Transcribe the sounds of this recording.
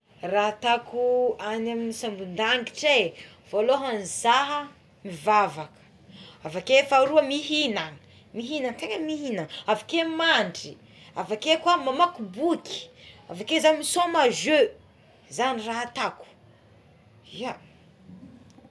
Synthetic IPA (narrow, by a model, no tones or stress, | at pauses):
raɦat̪akuanaminisambund̪aŋɡi̥ʈ͡ʂe | v̥oloɦanizaɦə | mivavakə̥ | avakefaɾuəmiɦinan | miɦinant̪eŋəmiɦinaavakemaɳɖ͡ʐi | avakekwamamakubuki̥a̰vakezamisomaʒø | zaniraɦat̪aku̥ | ia